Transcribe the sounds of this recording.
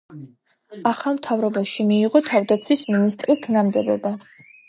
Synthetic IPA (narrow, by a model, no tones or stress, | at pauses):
aχamt̪ʰavɾɔbaʃimiːʁɔt̪ʰavd̪at̪sʰisminist̪ʼrɾist̪ʰnamd̪ɛbɔba